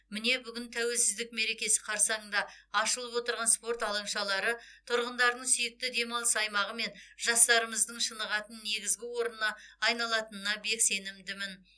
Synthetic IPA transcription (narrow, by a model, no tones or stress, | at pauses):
mɪne̞bʏɡʲɪnt̪ʰæwe̞lsɪzd̪ɪk̚me̞ɾe̞kʲe̞sɪ̥qʰɑɾsɑɴd̪ɑɑʃəlˠəpwo̞t̪əɾʁɑnspo̞rt̪ɑlˠəɴʃɑlˠɑɾət̪ʰʊɾʁənd̪ɑɾd̪əɴsʏjɪk̚t̪ɪd̪e̞mɑlˠəsɑjmɑʁəme̞nʒ̥ɑst̪ɑɾəməzd̪əɴʃənəʁɑt̪ənːe̞ɡʲɪzɡʲɪwo̞ɾənːɑːjnɑlˠɑt̪ənənɑbe̞kse̞nɪmd̪ɪmɪn